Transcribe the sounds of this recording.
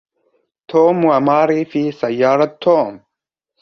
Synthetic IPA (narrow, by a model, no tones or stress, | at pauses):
t̪ʰoːmuɐmaːɾifiːsɐjːaːɾɐt̪ʰːoːm